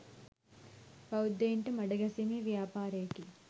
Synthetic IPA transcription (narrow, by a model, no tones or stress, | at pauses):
pɐwd̪eːɳʈɨmɐɽɐɡɐsimiʋjaːpaːɾeːki